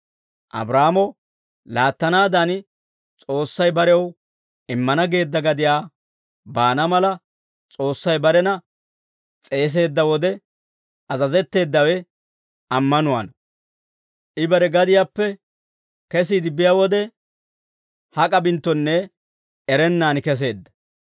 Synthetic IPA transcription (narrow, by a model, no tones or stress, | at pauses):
ʔɐ̰bɾaːmɔ | laːt̪ːɐnaːd̪ɐn | t͡sʼo̞ːsːɐjbɐɾɛw | ɪmːɐnɐɡe̞ːd̪ːɐɡɐd̪ɪjaː | baːnɐmɐlɐ | t͡sʼo̞ːsːɐjbɐɾɛnɐ | t͡sʼe̞ːs̬e̞ːd̪ːɐwɔd̪ɛ | ɐzɐzɛt̪ːe̞ːd̪ːɐwɛ | ɐmːɐnʊwa̰ːnɐ | ʔɪbɐɾɛɡɐd̪ɪjaːpːɛ | kɛsiːd̪ɪbɪjawɔd̪ɛ | hɐkʼɐbɪnt̪ːɔnːɛ | ɛɾɛnːaːnkɛs̬e̞ːd̪ːɐ̥